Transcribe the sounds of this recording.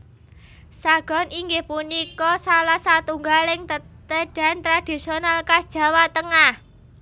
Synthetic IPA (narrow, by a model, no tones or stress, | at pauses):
saɡ̥ɔ̤niŋɡɪhpunikɔsalahsat̪uŋɡalɪŋət̪əɖ̥a̤nt̪ɾad̥i̤sionalkasd̥ʒ̥ä̤wat̪əŋah